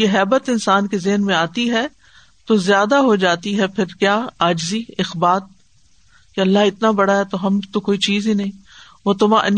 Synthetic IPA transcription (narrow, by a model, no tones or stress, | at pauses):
jeɦɛːbət̪ɪnsaːnkezɪɦnmẽaːt̪iɦɛ | t̪ozjaːd̪aɦod͡ʒaːt̪iɦɛpʰɪɾkjaːaːd͡ʒziːɪxbaːt̪̚ | keɐlːaɦɪt̪nabɐɽaɦɛt̪oɦɐmt̪okoːit͡ʃiːzɦinɐɦĩː | ʋot̪ʊmãʔɐ̰n